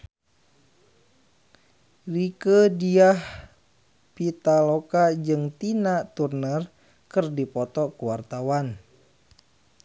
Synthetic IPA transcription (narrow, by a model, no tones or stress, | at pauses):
rikədiah | pit̪alokad͡ʒɨŋt̪inat̪urnər | kɨrdipɔt̪ɔkuwart̪awan